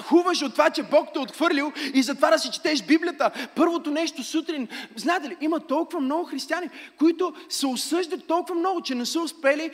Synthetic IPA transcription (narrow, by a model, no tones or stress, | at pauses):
xuvəʃot̪ːovat͡ʃɛbɔk̚t̪ɛot̪xvɤɾlʲilˠizɐt̪ovad̪ɐsɛt͡ʃɛ̥t̪ɛʃbiblʲijət̪əpɤɾvot̪onɛʃt̪osut̪ɾinznaɛt̪ɛliʔimət̪ɔlˠkʊvɐmnɔɡʊxɾist̪ianikoit̪ʊsɛosɤʒd̪ət̪ːɔlˠkʊvɐmnɔɡʊt͡ʃɛnɛsəʊspɛli